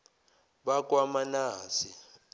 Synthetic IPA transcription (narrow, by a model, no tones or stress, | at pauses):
ɓak̬wamanaːsi